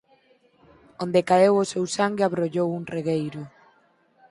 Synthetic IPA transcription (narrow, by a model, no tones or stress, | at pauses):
ond̪ekaewosewsaŋɡeaβɾoʎowuŋreɣejɾʊ